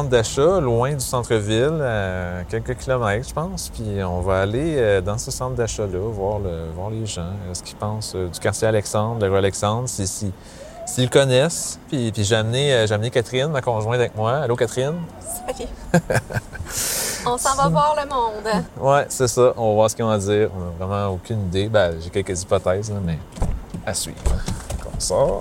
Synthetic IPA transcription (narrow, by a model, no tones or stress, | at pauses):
t̪d̪aʃɔlwɛ̃d̪ysɑ̃t̪χəvilakʲɛlkəkʲilɔmɛkʒə̥pɑ̃spɥiɔ̃vaːleød̪ɑ̃səsɑ̃t̪̚d̪aʃalʌvwaːʁləvwaːʁleʒɑ̃sə̥kʲi̥pɑ̃sød̪ykaʁsjɛalɛksɑ̃d̪ʁləʁyalɛksɑ̃d̪ʁsisi | silkɔnɛspipiʒeamneøʒeamnekʲat̪χɪnmakɔ̃ʒwɛ̃avɛk̚mwaalokat̪χɪn | pake | ɔ̃sɑ̃vavwaːʁləmɔ̃d̪wɛsɛsʌʔɔ̃vɔvwaːʁsə̥kʲiɔ̃ad͡zziːʁɔ̃nɔvʁɛmɑ̃okʲynid̪ebɛʒekʲɛlkəzipɔt̪ɛzɛ̃mɛ | asɥḭːvʁkɔ̃sɑːʁ